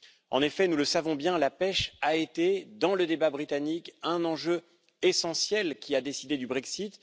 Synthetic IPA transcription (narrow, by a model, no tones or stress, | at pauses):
ɑ̰̃nefɛnuləsavɔ̃bjɛ̃lapɛʃaet̪ed̪ɑ̃ləd̪ebabʁit̪anikɛ̃nɑ̃ʒø | esɑ̃sjɛlkʲiad̪esid̪ed̪ybʁɛksit̪